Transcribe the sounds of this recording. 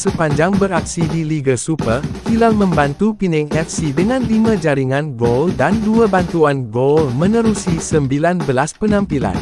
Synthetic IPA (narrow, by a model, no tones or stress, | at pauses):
səpaɲd͡ʒaŋbəɾaksidiliɡəsupərhilalmə̃mbant̪upinɛŋɛfsidəŋãnlimãd͡ʒaɾiŋãnɡoldanduabant̪uanɡolmənəɾusisəmbilanbəlaspənãmpila̰n